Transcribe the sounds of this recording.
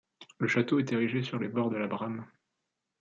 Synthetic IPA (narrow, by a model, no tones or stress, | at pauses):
ləʃat̪oɛt̪eʁiʒesyʁlebɔʁd̪əlabʁam